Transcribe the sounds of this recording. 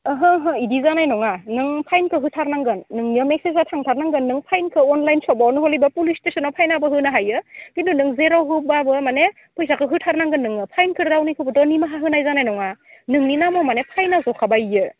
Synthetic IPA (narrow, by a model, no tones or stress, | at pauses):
ɯɦɯɦɯidizanajnɔŋanɯŋpʰajnkʰɯɦɯtʰaɾnaŋɡɯnːɯŋniɯmeksezatʰaŋtʰaɾnaŋɡɯnːɯŋpʰajnkʰɯɔnlajnsɔbawnɯɦɔlibapulistesɔnɔpʰajnabɯɦɯnaɦajɯɡindʰunɯŋzeɾɔwɦɯbabɯmane | pʰɯjsakʰɯɦɯtʰaɾnaŋɡɯnːɯŋɯpʰajnkʰɯɾdawnikʰɯbɯtɔnimaɦaɦɯnajzanajnɔŋanɯŋninamɔmanepʰajnazɔkʰabajɯ